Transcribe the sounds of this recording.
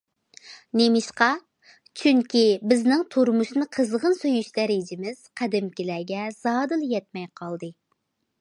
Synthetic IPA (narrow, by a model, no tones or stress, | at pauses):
nemɪʃqɑ | t͡ʃʰyŋkʲibɪznɪŋt̪ʰuɾmuʃnɨqʰəzʁənsøjyʃd̪ɛɾɪd͡ʒɪmɪz̥qʰæd̪ɪmkʲilæɡʲɛz̥ɑːd̪ɨlˠjɛt̪̚mɛjqʰɑlˠd̪ɨ